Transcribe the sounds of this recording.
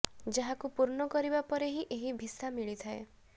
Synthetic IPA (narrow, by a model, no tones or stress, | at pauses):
d͡ʒaɦakupuɾɳɔkɔɾibapɔɾeɦiʔeɦibʱisamiɭit̪ʰae